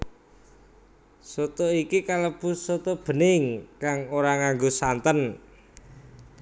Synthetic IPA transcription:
sot̪oikikaləb̥ʊ̤ssot̪ob̥ə̤nɪŋkaŋoɾaŋaŋɡosant̪ən

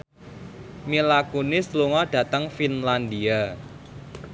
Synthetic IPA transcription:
milakunɪsluŋɔɖ̥ä̤t̪əŋfinland̪ia

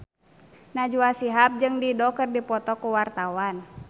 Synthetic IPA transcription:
nad͡ʒuasiɦap̚d͡ʒɨŋdidɔkɨrdipɔt̪ɔkuwart̪awan

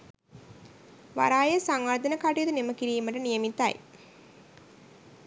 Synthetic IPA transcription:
ʋa̰ɾaːjɐsaŋʋaɾd̪ɐnɐkaʈijud̪unemɐkiɾiːmɐʈɐnijɐmit̪ːa̰j

